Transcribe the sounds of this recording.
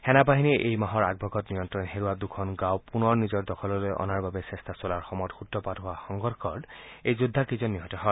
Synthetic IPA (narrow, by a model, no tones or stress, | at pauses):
hɛnap̬aɦinɛʔejmaɦɔɹa̰ɡ̚bʱɔɡɔtnijɔntɹɔnɦeɹuadukʰɔnɡawpunɔɹnizɔɹdɔkʰɔlɔlojɔ̰naɹbabɛsɛstasolaɹxɔmɔjtxutɹɔpadɦʊwaxɔŋɡɔdkʰɔɹdejzʊdʱːakizɔnːiɦɔtɔɦɔ